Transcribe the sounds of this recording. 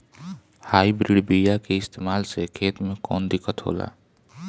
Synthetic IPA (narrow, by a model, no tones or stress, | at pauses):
haːibɾiɖbijakeɪst̪eːmaːlsekʰeːt̪mẽkɔ̰ːnd̪ɪkːət̪ɦo̰ːla̰ː